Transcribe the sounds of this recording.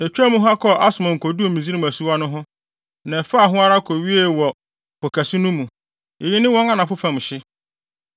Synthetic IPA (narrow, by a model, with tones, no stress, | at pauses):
ɛ˨t͡ɕᶣæ˦mũ˦ɦa˦kʰɔ˦˨ʔa˦sʊ˨mã˨ŋ̩˨kʰo˨du˦o˨mĩ˨d͡zi˦i˦mæ˨su˦a˦nʊ̃˦ɦʊ̃˦ | nã˨fa˦a˨ɦʊ̃˦a˦ɾa˦kʰo˨ɥi˦e˦wɔ˨ | pɔ˨kʰæ˨si˦nũ˦mũ˨ | e˨ji˦nɪ̃˦wɔ̃˦ŋã˦nã˨fʊ˦fã˨m̃˨ɕɪ˦